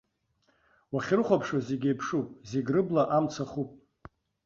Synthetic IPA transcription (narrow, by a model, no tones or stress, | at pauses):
waχʲrɨχʷapʰʂazeɡʲejpʰʂupʼzeɡʲrɨblaʔamt͡sʰaχupʼ